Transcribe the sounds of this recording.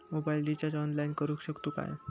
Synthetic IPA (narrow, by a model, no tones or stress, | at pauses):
mobailɖid͡ʑad͡ʑɔnlainkəɾuːkɕəkt̪uːka̰j